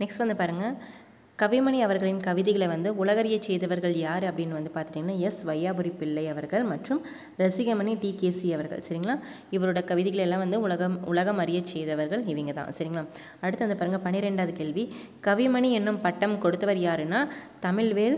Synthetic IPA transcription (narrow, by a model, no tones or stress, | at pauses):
nɛksʈʋɐnd̪ɯpaːɾɯŋɡɐ | kɐʋɪmɐɳiɐʋɐɾɣɐɭɪnkɐʋɪðɪɣɐɭɐʋɐnd̪ɯʊɭɐɣɐɾɪjɐt͡ʃːɛjðɐʋɐɾɣɐɭjaːɾɯɐpːɐɽɪnːɯʋɐnd̪ɯpaːɾt̪ɪɾiːŋɡɐnːaːɛsʋɐjaːbɯɾipɪɭːɐɪɐʋɐɾɣɐɭmɐʈrɯm | ɾɐsɪɣɐmɐɳiʈiːkeːsiɐʋɐɾɣɐ̰ɭsɐɾɪŋɡɐɭaː | ɪʋɐɾɯɽɐkɐʋɪðɪɣɐɭɛlːãːʋɐnd̪ɯʊɭɐɣɐmʊlɐɣɐmɐɾɪjɐt͡ʃːɛjðɐʋɐɾɣɐɭɪʋɐŋɡɐðã̰ːsɐɾɪŋɡɐɭã̰ː | ɐɽɯt̪ːɐʋɐnd̪ɯpaːɾɯŋɡɐpɐnɪɾɛɳɖaːðɯkeːɭʋi | kɐʋɪmɐɳiɛnːɯmpɐʈːɐmkɔɽɯt̪ːɐʋɐɾjaːɾɯnːaːt̪ɐmɪɭʋeːɭ